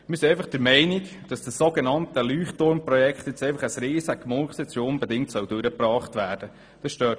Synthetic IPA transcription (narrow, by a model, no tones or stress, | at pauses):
mɪɾsiɛɪfɑχd̥əɾmɛɪnik | d̥ɑsd̥əsːoɡenɑnt̪əlyːχtʊɾmprɔjɛkχt̪jɛt͡sɛɪfɑχəsɾeːsəkmʊlχsɛt͡sʊnbɛdɪŋ̚tsœwdʉɾəpɾɑːχtʋæːɾd̥ə | d̥ɑsʃtøːt